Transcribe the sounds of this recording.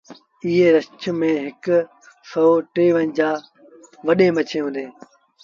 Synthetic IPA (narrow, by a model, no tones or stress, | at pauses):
ɪɦeːɾɐst͡ɕʊmẽɦɪk | sɔoʈeːʋənd͡ʑaː | ʋɐɗeːmɐt͡ɕʰeːɦũːnd̪eː